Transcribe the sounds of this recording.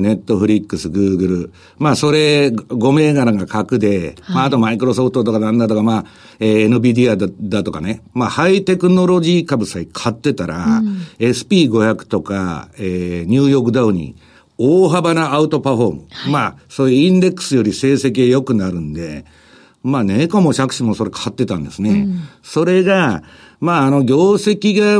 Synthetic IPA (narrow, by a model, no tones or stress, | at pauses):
ne̞t̪ːo̞ɸɯ̟ɾʲikːɯ̟sɨɡɯ̟ːɡɯ̟ɾɯ̟ | maːso̞ɾe̞ɡo̞me̞ːɡaɾaɡakakɯ̟d̪e̞maːt̪o̞maikɯ̟ɾo̞so̞ɸɯ̥t̪ot̪okad̪ãnd̪at̪o̞kamaː | eːnɯbʲid̪ʲiad̪at̪o̞kanemahait̪e̞kɯ̟no̞ɾo̞ʑiːkabɯ̟saikʰat̪ːe̞t̪aɾae̞sɨ̥pʲiːɡo̞çakɯ̥t̪o̞ka̰eːɲ̟ɨːjo̞ːk̬ɯ̟d̪aɯɲ̟ḭ | oːɦabanaːɯ̟t̪o̞paɸo̞ːmɯ̰maːsoːjɯĩnd̪e̞kːɯ̥sɨjo̞ɾʲise̞ːse̞k̬ʲiajo̞kɯ̟naɾɯ̟̃nd̪e̞ | maːnekomoɕakɯ̟̥ɕimoso̞ɾe̞kʰat̪ːe̞t̪ã̰nd̪e̞̰sɨneso̞ɾe̞ɡa | maːno̞ɡʲo̞ːse̞kʲiɡa